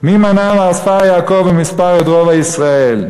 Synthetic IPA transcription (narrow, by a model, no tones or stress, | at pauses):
mimanamaːsajaːkovemispaʁed̪ʁovaisʁael